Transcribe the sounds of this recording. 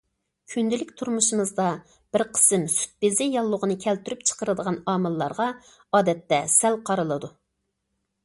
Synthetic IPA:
kʲʰynd̪ɪlɪkʲt̪ʰuɾmuʃɨmɨzd̪ɑ | b̥ɪɾqʰə̥sɨmsy̥t̪̚bɪzɪjɑlˠːʊʁənɨkʲʰɛlt̪yɾyp̚t͡ʃʰə̥qəɾɨd̪əʁɑnɑːmɨlˠːɑ̰ɾʁɑ | ɑːd̪ɛt̪ːɛsælqʰɑɾɨlˠɨd̪u

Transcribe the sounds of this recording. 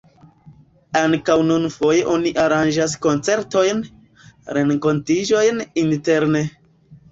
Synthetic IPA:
aŋkawnunfo̞je̞ʔo̞niʔaɾand͡ʒas̬kont͡se̞ɾto̞jn | ɾe̞ŋko̞ntid͡ʒo̞jninte̞ɾne

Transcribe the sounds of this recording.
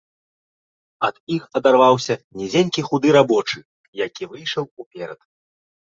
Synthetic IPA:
ɐd̪̥ixɐd̪arvawsʲɐnʲɛd͡zʲenʲkʲixud̪ɨɾabɔt͡ʂɨ | jakʲivɨjʂɐwupʲɛɾɐt̪

